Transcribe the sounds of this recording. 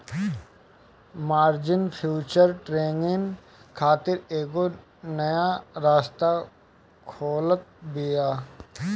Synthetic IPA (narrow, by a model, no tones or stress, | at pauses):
maːɾd͡ʒɪnpʰjuːt͡ʃəɾʈɾeːnɡɪŋ | kʰaːt̪ɪɾeːɡo | nɐjaɾaːst̪a | kʰoːlət̪̚bijaː